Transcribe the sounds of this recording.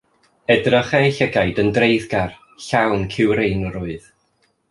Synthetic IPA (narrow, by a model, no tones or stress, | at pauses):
ɛdrəχɛɬɛɡajdəndrejðɡar | ɬawnkʰɪwɾejnɔɾʊɨð